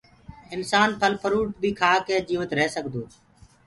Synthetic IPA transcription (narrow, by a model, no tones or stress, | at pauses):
ɪnsaːnpʰəlpʰəɾuːʈ̚bʱiːkʰaːkeːd͡ʒiːʋət̪ɾeːsəɡd̪oː